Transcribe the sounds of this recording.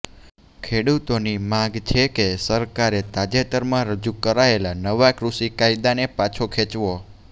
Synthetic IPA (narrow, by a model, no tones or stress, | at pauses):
kʰeɽut̪onimãɡt͡ʃʰekesəɾkaɾet̪ad͡ʒet̪əɾmãɾəd͡ʒukəɾaelanəʋakɾuʃikaid̪anepat͡ʃʰokʰet͡ʃʋo